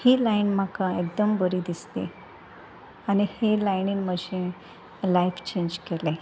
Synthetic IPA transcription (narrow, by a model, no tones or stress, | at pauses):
hiːlainm̤akaek̚d̪əmbəɾiːd̪ist̪ḛ | añihelajniːnməɕẽ | laift͡ɕeɲd͡ʑkele